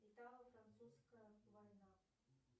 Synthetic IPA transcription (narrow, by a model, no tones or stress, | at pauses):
ɪt̪alˠəfɾant̪suskəjəvajna